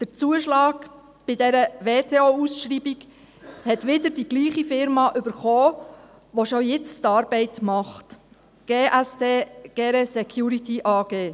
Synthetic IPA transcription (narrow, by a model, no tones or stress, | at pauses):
d̥ət͡suəʃlɑːɡ | b̥ɪdɛɾəʋeːtʰeoːusʃɾiːbiɡ | hɛtʋɪdəɾdiɡ̥liːχifɪɾmɑʔʏbəɾχoː | ʋoʃojɪt͡stɑːɾbɛɪtmɑχt | ɡ̥eːʔæsdeːɡ̥eːɾɛsɛkʰjuɾitiʔɑːɡ̥eː